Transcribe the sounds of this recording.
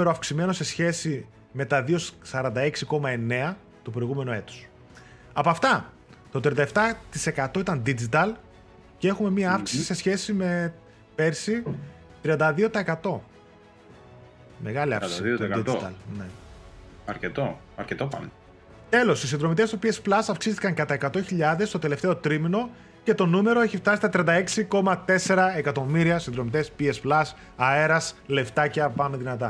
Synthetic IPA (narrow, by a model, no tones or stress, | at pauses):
meɾoɐfksime̞no̞se̞sçe̞si | me̞t̪ɐðio̞ssɐɾɐnd̪ɐe̞ksiko̞mɐe̞ne̞ɐ | t̪upɾo̞iɣume̞noe̞t̪u̥s | ɐpɐft̪ɐ | t̪ot̪ɾiɐnd̪ɐeft̪ɐt̪ise̞kɐt̪o̞it̪ɐnd̪id͡zit̪ɐl | cee̞xume̞miɐɐfksi̥siise̞sçe̞sime̞ | pe̞ɾsi | t̪ɾiɐnd̪ɐðio̞t̪ɐekɐt̪o̞ | me̞ɣɐliɐ̰fðit̪it̪t̪ɐ̰lne̞ | ɐɾcet̪o | ɐɾcet̪opɐ̰n | t̪e̞lo̞sisind̪ɾo̞mit̪e̞st̪o̞piesplɐsɐfksist̪i̥kɐŋkɐt̪ɐekɐt̪o̞çiʎɐðe̞st̪o̞t̪e̞le̞ft̪eo̞t̪ɾimino̞ | ce̞t̪o̞nume̞ɾo̞e̞çift̪ɐsist̪ɐt̪ɾiɐnd̪ɐe̞ksiko̞mɐt̪e̞se̞ɾɐekɐt̪o̞miɾiɐsind̪ɾo̞mit̪espiesplɐs | ɐe̞ɾɐsle̞ft̪ɐceɐpɐnoðinɐt̪ɐ